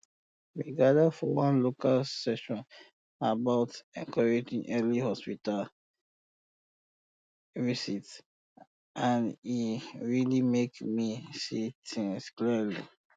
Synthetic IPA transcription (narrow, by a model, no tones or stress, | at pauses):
ɹiɡadəfɔwãnlokʰalsɛʃɔ̃n | abaʊtɛ̃ŋkʰɔɹed͡ʒĩŋʔɛlihɔspital | visit | ãniɹilimekmisitʰĩŋsklilḭ